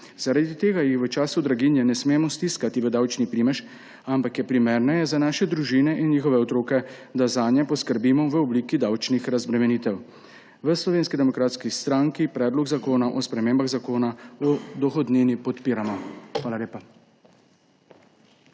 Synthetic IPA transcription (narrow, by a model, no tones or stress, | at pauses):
z̥aɾad̪it̪eːɡajixʋət͡ʃaːsud̪ɾaɡinjɛnɛsmeːmɔst̪iskat̪iʋəd̪awt͡ʃnipɾimɛʃ | ampakjɛpɾimeːɾnɛjɛzanaːʃɛd̪ɾuʒinɛʔinnjiːxɔʋɛɔt̪ɾoːkɛd̪azaːnjɛpɔskəɾbiːmɔʋəɔbliːkid̪awt͡ʃnixɾazbɾɛmɛnit̪ɛw | ʋəslɔʋeːnskid̪ɛmɔkɾaːt̪skist̪ɾaŋkipɾɛːd̪lɔɡzakoːnaʔɔspɾɛmeːmbaɣzakoːnaɔd̪ɔxɔd̪nenipɔt̪piːɾamɔxʋaːlaleːpa